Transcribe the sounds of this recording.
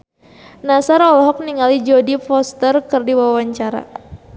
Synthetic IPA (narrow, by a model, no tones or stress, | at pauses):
nasaɾɔlɔɦɔk̚niŋalid͡ʒodifɔst̪ərkɨrdiwaawaɲt͡ʃaɾa̰